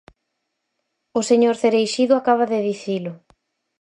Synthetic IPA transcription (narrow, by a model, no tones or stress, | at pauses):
ʊseɲoɾθeɾejʃiðʊakaβ̞aðeðiθilʊ